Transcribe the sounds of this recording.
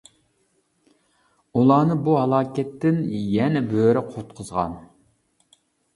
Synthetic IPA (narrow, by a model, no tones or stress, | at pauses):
ulˠɑːnɨbuɦɑlˠɑːkʲɛt̪ːɪnjɛnɛbøɾɪqʰot̪qʰəzʁɑ̰n